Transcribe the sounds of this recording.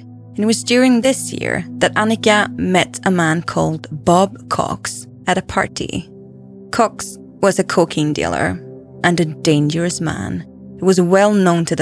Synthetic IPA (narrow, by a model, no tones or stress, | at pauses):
ɨ̃nɨt̚wʌzdjʊɹɪ̃ŋðɪsjɪ̰ɹðɨɾanɨkəmɛɾəmãnkʰɔ̰lˠd̚bɑb̚kʰɔ̰ks | ɨɾɨpʰa̰ɹɾḭ | kʰɔks | wʌzɨkʰokʰɪ̃ŋdḛlˠə̰˞ | ʔɨ̃nɨdẽɪ̃nd͡ʒə˞ɨsmã̰n | huwʌzwɛlˠnõʊ̃ntʰɨðɨ